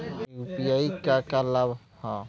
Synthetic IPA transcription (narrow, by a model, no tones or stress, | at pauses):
upijaikakalab | hã